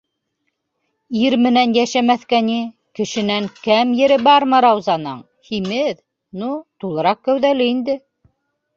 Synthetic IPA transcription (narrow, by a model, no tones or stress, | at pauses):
iɾmɘ̆nænjæʃæmæθkæni | kɘ̆ʃɘ̆næŋkæmjɘ̆ɾɘbɑɾmɤɾɑwzɑnɤɴ | himɘð | nut̪ulˠɤ̆ɾɑq̚kːæwðælɘind̪ɘ